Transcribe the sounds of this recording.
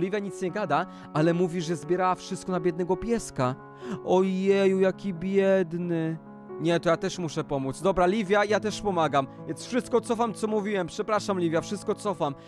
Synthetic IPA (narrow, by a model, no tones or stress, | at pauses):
lʲivʲjaɲit̪sɲɛɡad̪a | ʔalɛmuvʲiʐɛzbʲjɛɾawafʂɨst̪kɔnabʲjɛd̪nɛɡɔpʲjɛska | ɔjɛjujakʲibʲjɛd̪nɘ | ɲɛt̪ɔjat̪ɛʂmuʂɛpɔmut̪zd̪ɔbɾalʲivʲjajat̪ɛʂpɔmaɡamvʲjɛnsfʂɘst̪kɔt̪sɔfamt̪sɔmuvʲiwɛmpʂɛpɾaʂamlʲivʲjafʂɘst̪̚kɔt̪sɔfam